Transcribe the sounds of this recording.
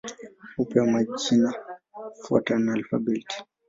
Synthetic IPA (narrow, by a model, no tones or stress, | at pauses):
upɛamat͡ʃinafuɔ̰tanalfa̰bilti̥